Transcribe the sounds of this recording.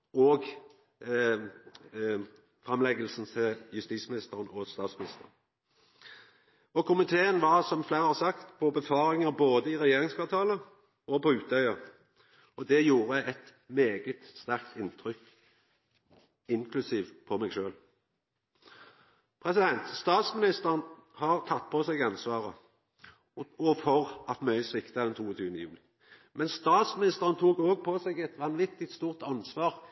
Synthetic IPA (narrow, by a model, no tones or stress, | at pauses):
ɔɡ | fʁɑmlɛɡəlsn̩t̪ʰɪljʉst̪iːsmɪnɪst̪əʁənɔst̪ɑːt̪smɪnɪst̪əʁən | ɔkʊmɪt̪ʰeːənʋɑʁsɔmfleːʁəhɑsɑkt̪pʰɔbəfɑːɾɪŋəboːd̪əɪʁɛjeːʁɪŋskʋɑʁt̪ʰɑːlə | ɔpɔʉːt̪œʏɑ | ɔd̪ɛjuːɾəɛt̪ | meːɡət̪st̪æʁk̚t̪ʰɪnːt̪ʰɾʏkː | ɪŋkʰlʉsiːʋpʰɔmɛːɡʃøːl | pʰʁɛsɪd̪ɛnt̪st̪ɑːt̪smɪnɪst̪əʁnhɑʁt̪ʰɑt̪̚ːpʰɔsɛɡɑnsʋɑːʁə | ɔfɔʁɑt̪mœʏsʋɪkt̪ɑd̪ɛnt̪ʰuːɔt̪ʰyːʋənəjʉ̰ːlɪ | mɛnst̪ɑːt̪smɪnɪst̪əʁən̩t̪ʰuːɡoːɡ̚pʰɔsɛɡɛt̪ʋɑnʋɪt̪ːɪt̪st̪uːʁt̪ɑnsʋɑːʁ